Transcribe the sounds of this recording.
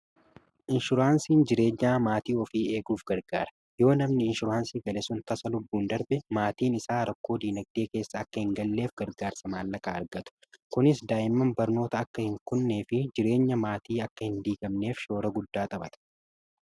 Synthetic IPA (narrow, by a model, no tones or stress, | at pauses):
ʔɪnʃʊɾaːnsiːnd͡ʒɪɾe̞ːɲːaːmaːt̪iːɔfiːe̞ːɡuːfɡɐɾɡaːɾɐ̥ | jo̞ːnɐmnɪɪnʃʊɾaːnsiːɡɐlɛsʊnt̪ɐsɐlʊbːuːnd̪ɐɾbɛmaːt̪iːnɪsaːɾɐkːo̞ːd̪iːnɐɡ̚d̪e̞ːke̞ːsːɐːkːɐhɪŋɡɐlːe̞ːfɡɐɾɡaːɾsɐmaːlːɐkʼaːɐɾɡɐt̪ʊ̥kʊnɪsd̪aːʔɪmːɐmbɐɾno̞ːt̪ɐːkːɐhɪŋkʊnːe̞ːfɪd͡ʒɪɾe̞ːɲːɐmaːt̪iːɐkːɐhɪnd̪iːɡʼɐmne̞ːfʃo̞ːɾɐɡʊd̪ːaːt̪ʼɐbɐt̪ɐ̥